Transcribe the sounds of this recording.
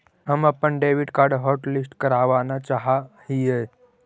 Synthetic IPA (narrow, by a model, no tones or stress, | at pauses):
ɦəməpːənɖeːʋiɖkaːɾɖɦɔːɾʈlɪsʈkəɾaːʋanat͡ʃaɦahie